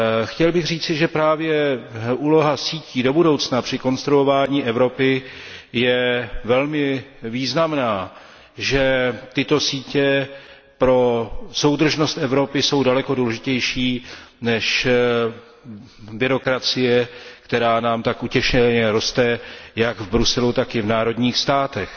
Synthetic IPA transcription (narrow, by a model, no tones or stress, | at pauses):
xcɛlbɪɣr̝iːt͡sɪʒɛpɾaːvjɛʔuːlo̞ɦasiːciːdo̞budo̞wt͡snapr̝̥ɪko̞nst̪ɾuo̞vaːɲiːʔɛvɾo̞pɪjɛvɛlmɪviːznamnaː | ʒɛt̪ɪt̪o̞siːcɛ | pɾo̞so̞wd̪r̩ʒno̞st̪ʔɛvɾo̞pɪso̞wdalɛko̞duːlɛʒɪcɛjʃiːnɛʃ | bɪɾo̞kɾat͡sɪjɛkt̪ɛɾaːnaːmt̪akʔucɛʃɛɲɛɾo̞st̪ɛjaɡvbɾusɛlut̪akɪvnaːɾo̞dɲiːxst̪aːt̪ɛx